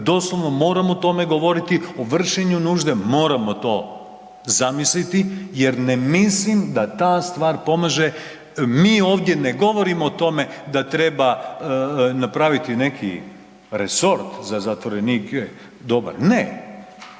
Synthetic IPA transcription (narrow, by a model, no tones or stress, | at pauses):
d̪o̞slˠoʋno̞mo̞ːɾamot̪o̞me̞ɡo̞ʋo̞ɾit̪ioʋr̩ʃeɲunuːʒd̪e̞mo̞ːɾamo̞t̪o̞ː | zamislit̪ije̞ɾne̞mislimd̪at̪aːst̪ʋaːɾpo̞maʒe̞ | miːo̞ːʋd̪je̞neɡo̞ʋo̞ɾimoːt̪o̞me̞d̪at̪ɾe̞ba | napɾaʋit̪ine̞kʰḭ | ɾeso̞ɾt̪zazat̪ʋo̞ɾeniːkɛ | d̪o̞ba̰ɾne